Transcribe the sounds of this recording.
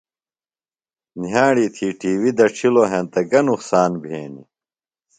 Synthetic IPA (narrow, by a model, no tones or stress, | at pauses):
njaːɽiːt̪ʰiːʈiːwid̪ɐʈ͡ʂʰiloːɦẽnt̪ɐɡɐnuqsaːnbʱḛːnḭ